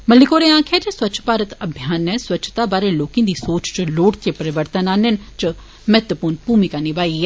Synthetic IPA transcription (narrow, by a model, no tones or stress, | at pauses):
məlːikoːɾẽãːkʰɛt͡ʃəswɐtːt͡ʃʃʰpaːɾət̪əbʱjaːnːɛ̃swɐːt͡ʃʰt̪abaːɾẽloːkĩd̪iːsoːt͡ʃt͡ʃəloːɽt̪ʰepəɾɪʋəɾt̪ənaːnent͡ʃə | mɛːt̪ʋəpuːɾnpuːmikanibaːiɛ